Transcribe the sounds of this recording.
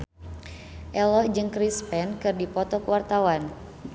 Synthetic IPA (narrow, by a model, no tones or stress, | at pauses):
ʔɛlɔd͡ʒɨŋkɾispɛnkɨrdipɔt̪ɔkəwart̪awan